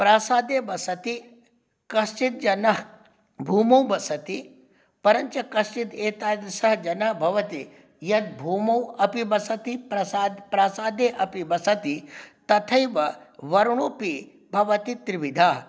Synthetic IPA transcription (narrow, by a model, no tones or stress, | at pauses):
pɾaːsaːd̪eːbɐsɐt̪i | kɐst͡ʃit̪̚d͡ʒɐnɐɦ | bʱuːmɐwbɐsɐt̪i | pɐɾɐɲt͡ʃɐkɐst͡ʃit̪eːt̪aːd̪ɐsɐɦd͡ʒɐnɐɦbʱɐʋɐt̪i | jɐt̪̚bʱuːmɐwɐpibɐsɐt̪ipɾɐsaːd̪pɾaːsaːd̪eːʔɐpibɐsɐt̪it̪ɐt̪ʰɐjʋɐʋɐɾɳ̃oːpi | bʱɐʋɐt̪it̪ɾiʋid̪ʱaːɦ